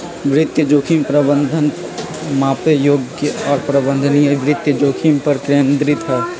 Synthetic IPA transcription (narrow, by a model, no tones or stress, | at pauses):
ʋɾɪt̪jəd͡ʒoːkʰimpɾəbə̃nd̪ʱən | mãːpejoːɡɔːɾpɾəbə̃nd̪ʱənjaʋɾɪt̪jəd͡ʒoːkʰimpɐɾkɾeə̃nd̪ɾit̪ʰa